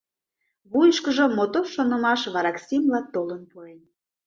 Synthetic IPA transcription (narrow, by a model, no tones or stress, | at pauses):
βujʃkəʒə̆mot̪oʃonə̆mɑʃβɑɾɑksʲimlɑt̪olənpuen